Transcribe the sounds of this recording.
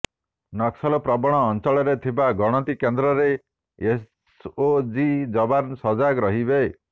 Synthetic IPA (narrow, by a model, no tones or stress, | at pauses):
nɔksɔlɔpɾɔbɔɽ̃ɔːnt͡ʃɔɭɔɾet̪ʰibaɡɔɽ̃ɔt̪ikend̪ɾɔɾe | es | od͡ʒid͡ʒɔbansɔd͡ʒaɡɾɔɦibe